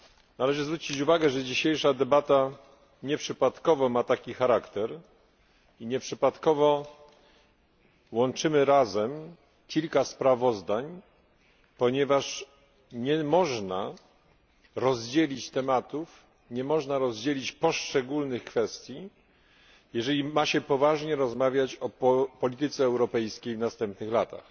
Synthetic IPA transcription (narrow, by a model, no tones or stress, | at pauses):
nalɛʐɘzvɾut͡ɕit͡ɕuvaɡɛʐɛd͡ʑiɕejʂad̪ɛbat̪a | ɲɛpʂɘpat̪kɔvɔmat̪akʲixaɾakt̪ɛɾ | iɲɛpʂɘpat̪kɔvɔ | wɔnt͡ʂɘmɘɾazɛm | kʲilkaspɾavɔzd̪aɲ | pɔɲɛvaʂ | ɲɛmɔʐna | ɾɔzd͡ʑelʲit͡ɕt̪ɛmat̪uf | ɲɛmɔʐnaɾɔzd͡ʑelʲit͡ɕpɔʂt͡ʂɛɡulnɘxkfɛst̪ʲji | jɛʐɛlʲimaɕɛpɔvaʐɲɛɾɔzmavʲjat͡ɕɔpɔlʲit̪ɘt̪sɛːwɾɔpɛjskʲejvnast̪ɛmpnɘxlat̪a̰x